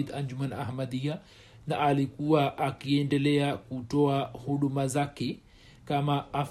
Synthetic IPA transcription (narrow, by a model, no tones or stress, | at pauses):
idaɲd͡ʒumana̰hmaɗia | naʔalikuwaʔakiɛndɛlɛakutɔahuɗumazakɛ | kamaaf